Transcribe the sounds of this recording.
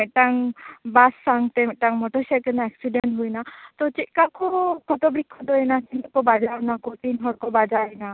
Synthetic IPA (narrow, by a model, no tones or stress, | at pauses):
eʈaŋbasːaŋt̪eʈaŋmɔʈɔsekenaɛksiɖenɦujnat̪ɔt͡ʃit̪kakɔkʰɔt̪ɔbɾikʰːɔt̪ɔɛnat͡ʃinkɔbad͡ʒaɾnakot̪inɦɔɽkɔbad͡ʒaina